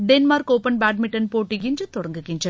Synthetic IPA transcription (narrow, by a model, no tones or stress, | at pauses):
d̪enmaːɾkoːpɐnbaːʈmɪʈːɐnpoːʈːɪkɪndrɯt̪ɔɽɐŋɡɯkːɪndrɐ